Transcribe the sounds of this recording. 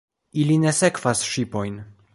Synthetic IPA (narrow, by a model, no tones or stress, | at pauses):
iline̞se̞kv̥asʃipo̞jn